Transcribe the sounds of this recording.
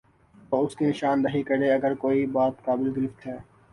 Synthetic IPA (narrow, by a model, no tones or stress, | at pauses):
t̪oːʊskinɪʃaːnːɐɦikɐɾeɐɡəɾkoːibaːt̪kaːbɪlɡɪɾɪft̪ɦɛː